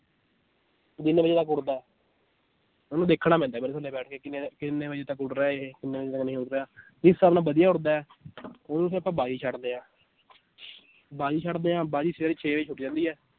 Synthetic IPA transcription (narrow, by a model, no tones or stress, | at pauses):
d̪ɪnbəd͡ʒeːt̪əkːʊɽd̪aːɛː | onũːd̪eːkʰːɽaːmɛ̃nd̪aɛːbəɾsəlːeːbɛːʈʰkeːkɪnekɪnːeːbəd͡ʒeːt̪əkːʊɽɾɛːekɪnːeːbəd͡ʒeːt̪aknə̃ĩːʊʈɾeaː | d͡ʒɪsːaːbnãːbəd̪ɪjaːʊɽd̪aːɛː | oːsẽəpːãːbaːd͡ʒiːt͡ʃʰəʈd̪eːãː | baːd͡ʒiːt͡ʃʰəʈd̪eːãːbaːd͡ʒiːseaːɾiːt͡ʃʰeːet͡ʃʰʊʈid͡ʒãːnd̪iːɛː